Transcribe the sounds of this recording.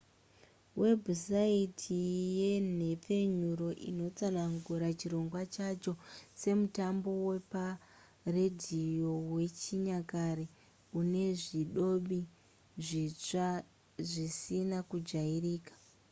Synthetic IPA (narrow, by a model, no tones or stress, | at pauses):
we̞bʱusaitʰije̞ne̞p͡fe̞ɲuɾo̞ʔḭno̞t͡sanaŋɡuɾat͡ʃiɾo̞ŋɡwat͡ʃat͡ʃose̞mutambo̞we̞pa | redʱijo̞we̞t͡ʃiɲakaɾe | une̞ʐiɗo̞ɓi | ʐit͡ʂa | ʐisinakud͡ʒairiːkḁ